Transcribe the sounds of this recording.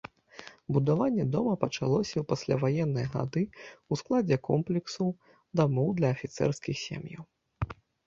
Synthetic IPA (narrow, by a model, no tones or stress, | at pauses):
bud̪avanʲːɛd̪ɔmɐpɐt͡ʂalˠɔsʲɐwpasʲlʲavajɛnːɨjɐɣa̰d̪ɨusklˠad͡zʲɛkɔmplʲɛksu | d̪amɔwd̪lʲɐːfʲit̪sɛ̰rskʲixsʲḛmjɐ̰w